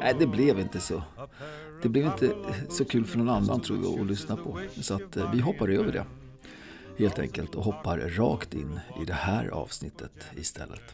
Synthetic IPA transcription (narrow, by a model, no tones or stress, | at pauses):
næɪd̪ɛblɛvɪnt̪əsɔ | d̪̥ɛblɛvɪnt̪ʰəsɔkʰʉ̟ːlfœɳɔnanːant̪ʰɾṵːja̰ɔlʏsnapʰɔsɔat̪vɪɦɔpːaɾøːvəɖɛ̰ | heːlt̪ʰɛ̰ŋkəlt̪ɔɦɔpːaɾɾɑːkt̪ɪ̰nːɪd̪ɛhæːɾɑ̰ːv̥snɪt̪ʰːət̪ɪst̪ʰɛ̰lːət̪